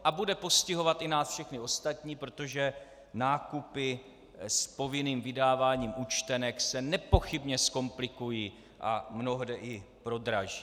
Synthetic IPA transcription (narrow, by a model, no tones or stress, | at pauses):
ʔabudɛpo̞scɪɦo̞vat̪ʔɪnaːsfʃɛxnɪo̞st̪at̪ɲiːpɾo̞t̪o̞ʒɛ | naːkupɪ | spo̞vɪniːmvɪdaːvaːɲiːmʔut͡ʃt̪ɛnɛksɛnɛpo̞xɪbɲɛsko̞mplɪkujiː | ʔa̰mno̞ɦdɛʔɪpɾo̞d̪ɾaʒiː